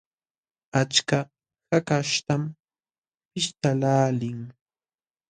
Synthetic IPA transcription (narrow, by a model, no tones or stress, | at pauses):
at͡ʃka | hakaʃt̪am | pɪʃt̪alaːlɪŋ